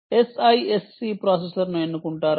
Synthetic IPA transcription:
esɐjesːiːpɾaːseslɐɾnuenːukuɳʈaːɾ

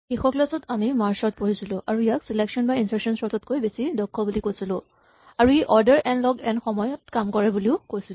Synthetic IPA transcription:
xexɔklasɔtamimaɹsɔt̚poɦisilʊ̃ʔaɹuijaksileksɔnbainsaɹsɔnsɔtɔtkojbesidɔkʰːɔbulikojsilʊ̃ | aɹuejʔɔɹdɛɹʔɛnlɔɡɛnxɔmɔjɔtkamkɔɹɛbuliʊkojsilʊ̃

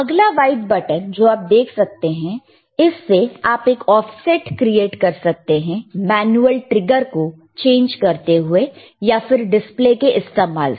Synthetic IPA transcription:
ɐɡlaʋaːɪʈ̚bɐʈənd͡ʒoːaːp̚d̪eːkʰsɐk̚t̪eɦɛ̃ | ɪsːeaːpeːkɔːfsɛːʈkɾieːʈkɐɾsɐk̚t̪eɦɛ̃mɛːnuəlʈɾɪɡəɾko | t͡ʃẽːnd͡ʒkɐɾt̪eɦʊe | jafɪɾɖɪsplekeʔɪst̪eːma̰ːl

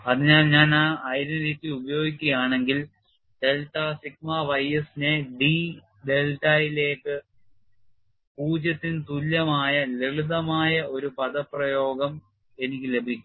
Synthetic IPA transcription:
ɐðɨɲaːlɲaːnaːɐjɾɐnɾiːt̪ːiubɐjo̞ːɡikʲːuɣɐjaːɳe̞ŋɡil | ɖe̞lʈːaːsik̚maʋɐjɐsineɖi | ɖe̞lʈajile̞ːkːɨ | puːd͡ʑɐt̪ːint̪ulːɐmaːjɐleɭuðɐmaːjɐo̞ɾupɐðɐpːrɐjo̞ːɡɐm | e̞nikʲːile̞bʱikʲːu

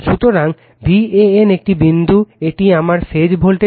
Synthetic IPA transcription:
ʃut̪oɾaŋ | bieenek̚ʈibind̪ʱueʈiamaɾfed͡ʑbʱolʈe

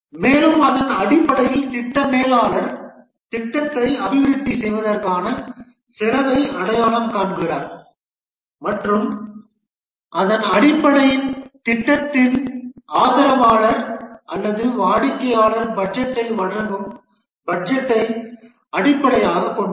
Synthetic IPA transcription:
meːlɯmɐðɐnɐɽɪpːɐɽɐjɪlt̪ɪʈːɐmeːlaːɭɐɾ | t̪ɪʈːɐt̪ːɾɐɪɐbɪʋɪɾɪt̪ːisɛjʋɐðɐrkaːnɐ | sɪɾɐʋɐɪɐɽɐjaːɭɐmkaːɳɡɪraːɾ | mɐʈrɯm | ʔɐðɐnɐɽɪpːɐɽɐjɪnt̪ɪʈːɐt̪ːɪlʔaːðɐɾɐmaːɭɐɾʔɐlːɐðɯʋaːɽɪkːɐjaːɭɐɾbɐɖd͡ʒɛʈːɐɪʋɐɽɐŋɡɯm | bɐd͡ʒɛʈːɐɪ | ɐɽɪpːɐɽɐjaːɣɐkːɔɳɖɯ

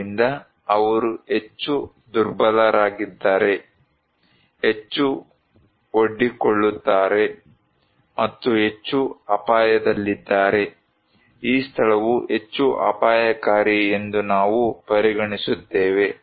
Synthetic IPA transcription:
ind̪ɐ | ɐʋɐɾue̞t͡ʃːu | d̪uɾbɐlɐɾaːɡid̪ːaːɾe̞ | et͡ʃːu | oɖːikoɭːut̪ːaːɾe̞ | mɐt̪ːuɦe̞t͡ʃːuɐpaːjɐd̪ɐlːid̪ːaːɾe̞ | iːst̪ʰɐɭɐʋue̞t͡ʃːuʔɐ̰paːjɐkaːɾiend̪unaːʋupɐɾiɡɐɳisut̪ːeːʋe̞

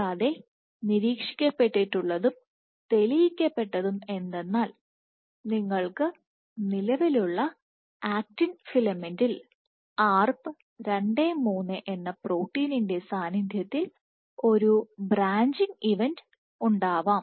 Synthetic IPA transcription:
ɐðe̞ | niɾiːkʂi̥kʲːɐpːe̞ʈːiʈːuɭːɐðum | t̪e̞lijikʲːɐpːe̞ʈːɐðume̞nd̪e̞nːaːl | niŋːɐɭkɨ | nilɐʋiluɭːɐ | aːk̚ʈinfilɐmendil | aːrpɨ | ɾeɳɖeːmuːnːɨʔenːɐproːwʈːiːninde̞saːnid̪ʱjɐt̪ːil | o̞ɾubraːɲd͡ʑiŋɡiʋend | uɳɖaːʋaːm

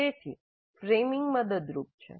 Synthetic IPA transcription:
et̪ʰi | fɾemɪŋɡməd̪əd̪ɾup̚t͡ʃʰḛ

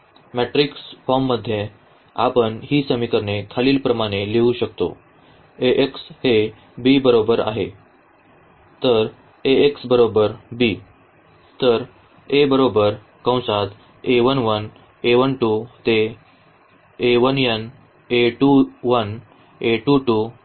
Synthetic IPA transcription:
mæʈɾiksfɔɾmːəd̪ʱːjẽ | a̰pəɳhiːsəmikəɾnekʰaliːlpɾəmaɽ̃eleuɕəkt̪o̰ | eʔekshe | bibəɾobəɾa̰ɦe | t̪əɾ | eeksbəɾobəɾbiː | t̪əɾ | ebəɾobəɾ | kə̃w̃sat̪ | eʋənʋən | eʋənʈut̪e | eʋənjən | eʈuʋən | eʈuʈu

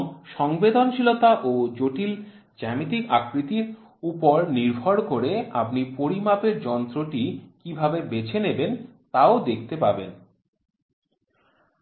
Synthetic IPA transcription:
ʃɔŋbed̪onʃilot̪aʔod͡ʑoʈil | d͡ʑɛmit̪ikakɾit̪iɾ | upoɾniɾbʱoɾkoɾea̰pnipoɾimapeɾd͡ʑɔnt̪ɾoʈikibʱabebet͡ɕʰenebent̪aod̪ek̚ʰt̪epabḛn

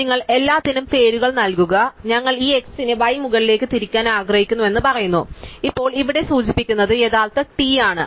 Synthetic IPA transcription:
niŋːɐɭe̞lːaːt̪ːinumpe̞ːɾuɣɐɭnɐlkuɣɐɲɐŋːɐɭiːe̞ksinɨʋɐjmuɣɐɭile̞ːkːɨt̪iɾikʲːaːnaːɡrɐhikʲːunːuʋe̞nːɨpɐrɐjunːṵipːo̞ːɭiʋiɽe̞suːt͡ɕipːikʲːunːɐðɨe̞ːðaːɭt̪ɐʈiaːɳɨ̰

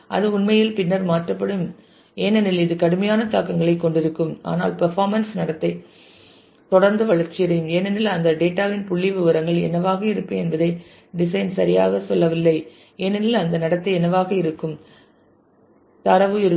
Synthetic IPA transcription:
ʔɐ̰ðɯʊɳmɐjɪlpɪnːɐɾmaːʈrɐpːɐɽɯm | eːnɛnɪlɪðɯkɐɽɯmɐjaːnɐt̪aːkɐŋɡɐɭɐɪkːɔɳɖɪɾɯkːɯma̰ːna̰ːlpɐɾfaːɾmɐnsnɐɽɐt̪ːɐɪ | t̪ɔɽɐɾnd̪ɐʋɐɭɐɾt͡ʃːɪjɐɾɐjɯmeːnɛnɪlɐnd̪ɐɖeːʈːaːʋɪnpʊɭːɪʋɯʋɐɾɐŋɡɐɭɛ̰nɐʋaːɣɐɪɾɯpːɯɛnbɐðɐɪ | ɖɪsɐɪnsɐɾɪja̰ːɣɐsɔlːɐʋɪlːɐɪ | eːnɛnɪlɐnd̪ɐnɐɽɐt̪ːɐɪɛnɐʋaːɣɐɪɾɯkːɯm | t̪ɐɾɐʋɯɪɾɯ

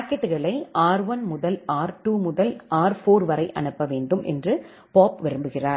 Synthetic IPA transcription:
paːkːɛʈːɯɣɐɭɐɪʔaːɾʋɐnmʊðɐlaːɾʈuːmʊðɐlʔaːɾfoːɾʋɐɾɐɪʔɐ̰ɳɯpːɐʋeːɳɖɯmʔɛ̰ndrɯ | poːpʋɪɾɯmbɯɣɪraː

